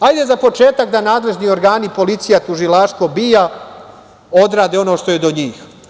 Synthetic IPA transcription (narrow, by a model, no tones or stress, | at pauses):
ajd̪e̞zapo̞t͡ʃe̞ːt̪akd̪anaːd̪le̞ʒnio̞ɾɡaːnipo̞lit̪sijat̪uʒilaʃt̪ʋo̞bija | o̞d̪ɾaːd̪eo̞no̞ːʃt̪o̞jed̪o̞ɲiːx